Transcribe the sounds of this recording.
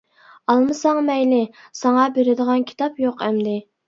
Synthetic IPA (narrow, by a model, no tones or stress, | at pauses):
ɑlˠmɨsɑŋmɛjlɪ | sɑŋɑbeɾɪd̪əʁɑnkʲʰi̥t̪ʰɑpjoqʰæmd̪ɪ